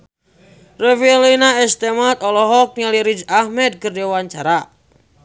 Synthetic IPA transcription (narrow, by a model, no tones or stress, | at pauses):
refilinaɛst̪ɛmat̪ɔlɔɦɔk̚nialiɾid͡ʒahmɛd̪̚kərdiwaɲt͡ʃaɾa